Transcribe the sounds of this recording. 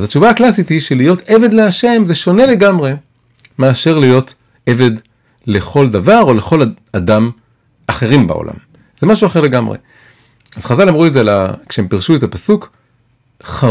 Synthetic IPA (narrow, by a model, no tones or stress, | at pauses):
zat͡ʃuvaːklasit̪hiʃelijo̞te̞ve̞d̪leaʃe̞mzeʃo̞ne̞le̞ɡamʁe̞ | meaʃe̞ʁlijo̞t̪ | e̞ve̞d̪ | le̞χo̞ld̪avaʁo̞le̞χo̞l | adam | aχe̞ʁimba̰o̰lʔa̰m | z̥emaʃuaχe̞ʁle̞ɡamʁḛ | az̥χazalamʁuezeala̰kʃeempiʁʃuet̪apasuk | χa